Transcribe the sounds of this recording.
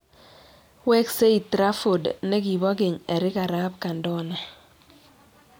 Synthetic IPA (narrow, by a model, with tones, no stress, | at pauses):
wɛ˦kse˦i˨tɾa˦fo˨dne˦ki˨bɔ˦ke˨ɲɛ˨ɾɪ˦ka˨ɾa˦p̚ka˨ndɔ˦nɛ˨